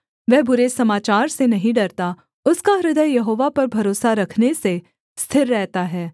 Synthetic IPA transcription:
ʋɛɦbʊɾesɐmaːt͡ʃaːɾsenɐɦĩɖɐɾt̪a | ʊskaɾɪd̪əjjɐɦoːʋapɐɾbʱɐɾoːsaɾɐkʰnese | st̪ʰɪɾːɛɦt̪aɦɛː

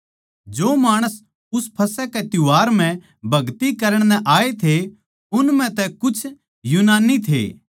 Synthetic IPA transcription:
d͡ʒoːmaːɽ̃əs | ʊspʰɐsɛkɛt̪ʊʋaːɾm̤ɛ̃ | bʱɐɡt̪ikɐɾəɽ̃nɛ̃ʔaːet̪ʰe | ʊnmɛ̃t̪ɛkʊt͡ʃʰ | junaːnit̪ʰḛː

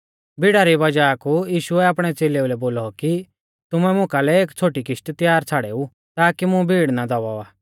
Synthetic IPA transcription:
bʱiɽaɾibɐd͡ʒakujiːʃʊɛaːpɽ̃ɛt͡seːleulɛboːlɔki | t̪ʊmɛmʊ̃kalɛeːkt͡sʰoːʈikɪʃʈt̪jaːɾt͡sʰaɽeːu | t̪aːkimʊ̃bʱiːɽnad̪ɔʋaaː

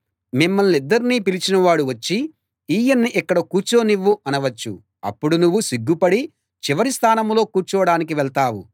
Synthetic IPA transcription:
mimːɐlnid̪ːɐɾiniːpilit͡ʃinɐʋaːɽuʋɐt͡ʃːi | iːjɐnːiʔikːɐɽɐkuːɾt͡ʃoːniʋːuʔɐnɐʋɐt͡ʃːu | ɐ̰pːuɽunuʋːusiɡːupɐɽi | t͡ʃiʋɐɾist̪ʰaːnɐmlo̞ːkuːɾt͡ʃɔʋɐɽaːnik̬iʋɛɭt̪aːwu

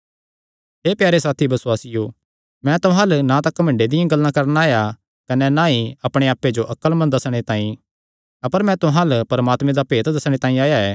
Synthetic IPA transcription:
ɦeːpjaːɾesaːt̪ʰibɐswaːsɪjo | mɛ̃t̪ʊɦãːlnãt̪ɐkːɐmɐ̃ɳɖed̪ɪjãɡɐlːãkɐɾnaːja | kɐnɛnãiɐpɽ̃eaːpːed͡ʒoʔɐkːəlmɐ̃nd̪ɐsɽ̃et̪ãːĩ | ɐpəɾmɛ̃t̪ʊɦãːlpɐɾɐmaːt̪mẽd̪apeːt̪d̪ɐsɽ̃et̪ãːĩaːjaɛː

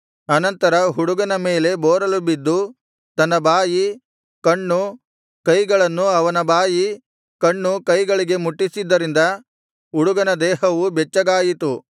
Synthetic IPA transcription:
ɐnɐnt̪ɐɾɐɦuɽuɡɐnɐmeːle̞bɔːɾɐlubid̪ːu | t̪ɐnːɐbaːji | kɐɳːu | kɐjɡɐɭɐnːuɐʋɐnɐbaːji | kɐɳːukɐjɡɐɭiɡe̞muʈːisid̪ːɐɾind̪ɐ | uɽuɡɐnɐd̪ɛːhɐʋubɛt͡ʃːɐɡaːjit̪u

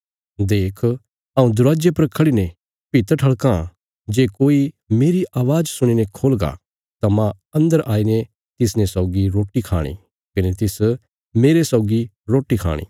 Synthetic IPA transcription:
d̪eːkʰ | ɐːũd̪ʊɾaːd͡ʒjepɐɾkʰɐɽine | pɪt̪ʈʰɐɭkã | d͡ʒeːkoːi | meːɾiʔaːʋaːd͡ʒsʊɽ̃inekʰoːlɡa̰ | t̪amã | ɐ̃nd̪əɾʔaːine | t̪ɪsnẽsɐʊɡiɾoːʈikʰaːɽ̃ḭ | kɪnet̪ɪs | meːɾesɐʊɡi | ɾoːʈːikʰa̰ːɽ̃ḭː

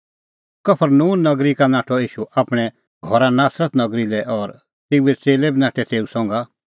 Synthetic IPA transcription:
kɐpʰəɾnuːnːɐɡɾikanaːʈʰɔiːʃuʔaːpɽ̃ɛ | ɡʱɔɾanaːsɾət̪nɐɡɾilɛʔɔːɾ | t̪eːuɛt͡seːlɛbinaːʈʰɛt̪eːusɔ̃ŋɡa

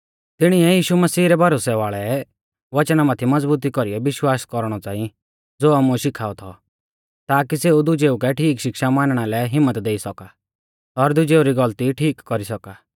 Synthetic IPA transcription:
t̪ɪɽ̃iɛjiːʃumɐsiːɾɛbʱɐɾoːsɛʋaːɭɛ | ʋɐt͡ʃnamat̪ʰimɐd͡zbuːt̪̬ikɔɾiɛʋɪʃwaːskɔɾɽ̃ɔt͡sãːĩ | d͡zoːamuʃɪkʰaːɔt̪ʰɔ̰ | t̪aːk̬iseːud̪ʊd͡ʒeːukɛʈʰiːkʃɪkʃamaːnɽ̃alɛɦɪmːət̪d̪eːisɔka | ɔɾd̪ʊd͡ʒeːuɾiɡɐlt̪iʈʰiːkːɔɾisɔkaː

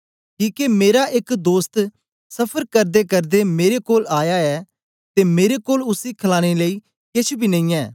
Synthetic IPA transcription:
kiːkemeːɾaʔɪkd̪oːst̪ | sɐpʰəɾkəɾd̪ekəɾd̪emeːɾekoːlaːjaɛː | t̪emeːɾekoːlʊsikʰəlaːɽ̃eləiː | kɪt͡ʃʰbʱiːnə̃ĩːɛː

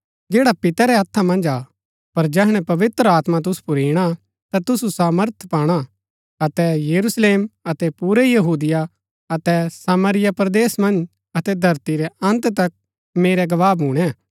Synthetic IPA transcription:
d͡ʒeːɽapɪt̪aɾɛɐt̪ʰːamɐ̃nd͡ʒa | pɐɾd͡ʒɛɦɽ̃ɛ̃pɐʋɪt̪ɾəaːt̪mat̪̬ʊsu̥pʊɾiːɽ̃a | t̪at̪ʊsusaːməɾt̪ʰpaːɽ̃a | ɐt̪ɛjɐɾusleːmɐt̪ɛpuːɾɛjɐɦuːd̪ɪja | ɐt̪ɛsaːməɾɪjapɾd̪eːsmɐ̃nd͡ʒ | ɐt̪ɛd̪ʱɐɾt̪iɾɛɐ̃nt̪t̪ɐk̚ | meːɾɛɡɐʋaːbɦũːɽ̃ɛ

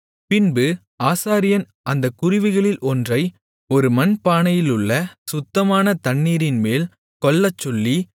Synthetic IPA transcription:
pɪnbɯ | aːsaːɾɪjɐn | ʔɐnd̪ɐkːʊɾɪʋɯɣɐɭɪlʔɔndrɐɪ | ɔɾɯmɐnpaːnɐjɪlɯɭːɐsʊt̪ːɐmaːnɐt̪ɐɳːiːɾɪnmeːl | kɔɭːɐt͡ʃːɔlːi

